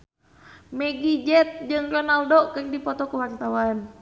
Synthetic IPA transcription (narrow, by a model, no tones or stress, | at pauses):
mɛɡid͡ʒɛt̪̚d͡ʒɨŋrɔnaldɔkɨrdipɔt̪ɔkuwart̪awan